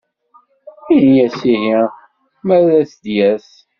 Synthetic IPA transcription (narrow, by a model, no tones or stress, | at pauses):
injæsiɦi | mæðæsd̪jæs